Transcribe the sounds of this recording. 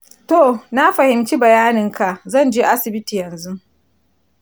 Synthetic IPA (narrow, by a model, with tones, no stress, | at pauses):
to˨na˦ɸɐ˨hɪ˨mt͡ʃi˦bɐ˨jaː˦nɪ˨ŋka˨ʔzɐ˦˨nd͡ʒeː˦ʔa˦sɪ˨bɪ˦tiː˨jɐ˨nzu˦